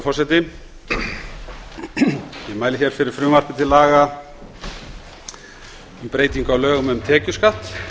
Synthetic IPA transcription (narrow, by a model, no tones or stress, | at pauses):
fɔrsɛt̪ɪ | jɛmaːjlɪçɛɾ̥fɪɾɪɾ̥fɾʏːmar̥pɪt̪ʰɪlːaːɣa | ʏmpɾeːjt̪iŋkawlœːɣʏmʏmt̪ʰɛːcʏskat̪